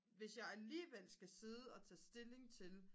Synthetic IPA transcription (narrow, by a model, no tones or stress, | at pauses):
ʋe̝sjɑ̈ɪæliːʋel̰sɡ̥æse̝ð̞ˠəɒ̽t͡sʰɛ̰ːsd̥e̝le̝ŋt͡sʰe̝l